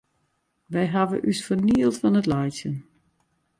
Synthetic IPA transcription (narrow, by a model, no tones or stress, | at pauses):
ʋɛjɦaʋə̰ʔysfərniəlˠtfɔnətlajtjən